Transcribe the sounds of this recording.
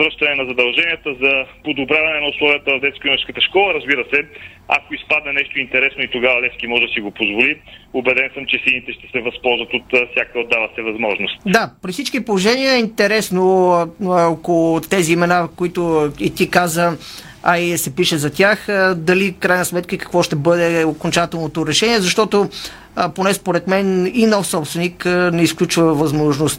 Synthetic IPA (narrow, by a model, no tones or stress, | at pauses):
vɾəʃt̪ɐnɛnɐzɐd̪ɐlˠʒɛnijət̪əzɐpod̪obɾʲjavɐnɛnɐuslˠɔviət̪əvɐvd̪ɛt̪skoimət͡ʃskət̪əʃkɔlˠəɾɐzbiɾəsɛ | a̰koispad̪̚nɛnɛʃt̪oint̪ɛɾɛsnoit̪oɡavɐlɛskimɔʒɛd̪ɐsiɡopozvoliobɛd̪ɛnsəmt͡ʃɛsinit̪ɛʃt̪ɛ̥sɛvɐspɔlˠzvɐt̪ot̪fsʲjakəod̪ːavɐsɛvɐzmɔʒnost̪d̪apɾifsit͡ʃkipolˠoʒɛniəɛint̪ɛɾɛsno | okolˠot̪ɛziːmɛnakoit̪oit̪ikazə | aisɛpiʃɛzɐt̪ʲjaxd̪ɐlifkɾajnəsmɛt̪kəikɐ̥kvɔʃt̪ɛbɤd̪ɛokont͡ʃat̪ɛlˠnot̪oɾɛʃɛniɛzɐʃt̪ɔt̪o | ponɛspoɾɛt̪mɛninɔfsɔpst̪vɛniknɛisklʲut͡ʃvəvɐzmɔʒnost̪